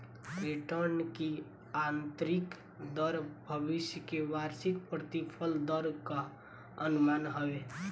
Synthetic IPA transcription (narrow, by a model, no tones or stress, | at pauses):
ɾiʈəɾnki | ant̪ɾɪk | d̪əɾbʱəbɪʃjəkeʋaːɾsɪk̚pɾət̪ipʰəld̪əɾka | ənʊmaːnɦəwe